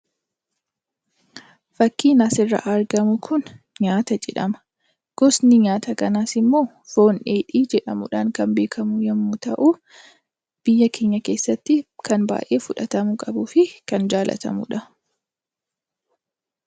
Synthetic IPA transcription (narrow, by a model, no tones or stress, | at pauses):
fɐkːiːnɐsɪrːɐ̰ʔɐɾɡɐmʊkʰʊn | ɲaːt̪ɐd͡ʒɛ̰ᶑɐmɐ̥ | ɡ̥ɔsnɪɲaːt̪ɐkɐnaːsɪmːo̞ː | fo̞ːnʔeːᶑiːd͡ʒɛᶑɐmʊ̰ᶑaːŋkɐnbe̞ːkʰɐmʊjɛmːʊt̪ɐʔu | b̥ɪjːɐkeːɲːɐke̞ːsːɐt̪ːɪkɐnba̰ːjʔe̞ːfʊᶑɐt̪ɐmʊkʼɐbʊːfɪkɐnd͡ʒaːlʔɐ̰t̪ɐ̰mʊ̰ᶑɐ